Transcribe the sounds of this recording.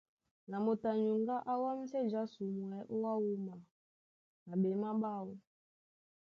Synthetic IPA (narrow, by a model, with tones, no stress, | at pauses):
na˨mo˨ta˨ɲu˨ŋɡa˦ʔa˦wa˦mi˦sɛ˦d͡ʒa˦su˨mwɛ˨˦ʔu˦wa˦wu˦ma˨ | na˨ɓe˨ma˦ɓa˦wɔ˦